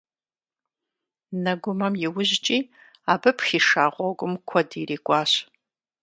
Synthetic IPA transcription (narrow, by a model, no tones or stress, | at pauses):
nɐɡʷʊmɐmjɪwʊʑt͡ʃʼiː | aːbɨpxiːʂaːʁʷɔɡʷʊmkʷʰɔdiːriːkʷʼɑːɕ